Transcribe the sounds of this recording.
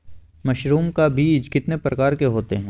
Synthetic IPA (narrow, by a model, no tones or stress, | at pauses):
mɐʃɾuːmkabiːd͡ʒkɪt̪nepɾɐkaːɾkeɦoːt̪eɦɛ̃ː